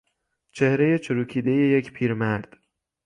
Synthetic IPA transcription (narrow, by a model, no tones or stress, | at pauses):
t͡ʃʰe̞hɾe̞je̞t͡ʃʰoɾuːkʰiːd̪e̞je̞jecʰpʰiːɾmæɾd̪̥